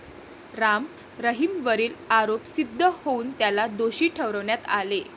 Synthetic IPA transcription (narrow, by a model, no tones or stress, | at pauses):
ɾam | ɾəɦimʋəɾiːlaɾopsid̪ʱːəhouːnt̪jalad̪oɕiːʈʰəʋɾəʋɳjat̪ale